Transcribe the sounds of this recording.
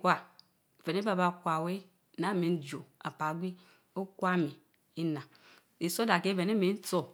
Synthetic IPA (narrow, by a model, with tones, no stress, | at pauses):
kʷa˦˨ | ve˨ne˦ba˦˨ba˨kʷa˨we˦ | na˨˦˨me˨n̩˦d͡ʒo˨a̰˨pa˨˦ɡʷi˦ | o˦kʷa˦˨me˨ | i˦na˨ | i˨so˦da˨ke˦ve˨ne˦me˨˦n̩˦to˦